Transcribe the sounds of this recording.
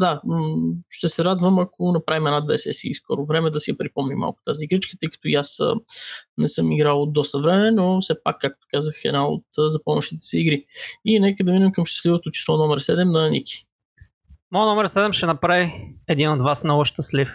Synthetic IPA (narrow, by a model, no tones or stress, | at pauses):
d̪a | ʃt̪ɛsɛɾad̪vəmɐkʰonɐpɾavimɛnad̪vɛsɛ̰sḭːskɔ̰ɾʊvɾɛmɛd̪ɐsiɐpɾipɔmnima̰lˠkʊ̥t̪aziːɡɾit͡ʃkət̪əjkɐ̥t̪ʊjasə̰nɛsɤmiɡɾalˠod̪d̪ɔst̪əvɾɛmɛnofsɛpakːak̚t̪o̥kazəxɛ̰d̪nao̰t̪ːzɐpɔmoʃt̪it̪ɛ̥sɛiɡɾiinɛkəd̪ɐminɛmkəmʃt̪ɛ̥slivot̪ot͡ʃi̥slˠɔnɔmɛɾsɛd̪ɛmnɐːniki̥ | mɔnɔmɛɾsɛd̪ɛmʃɛnɐpɾaviɛd̪inod̪vasnɐɔʃt̪əslif